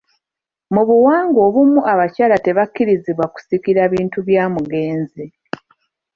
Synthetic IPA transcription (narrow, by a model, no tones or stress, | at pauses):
muβuwaːŋɡo̞ːβumuʔaβacaːlate̞βakːiɾiziβwaku̥sikiɾaːβiːntuβjaːmuɡe̞ːnzi